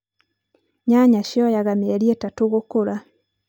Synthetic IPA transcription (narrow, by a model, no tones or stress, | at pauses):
ɲaɲaʃjɔjaɣamieɾietatoɣokoɾa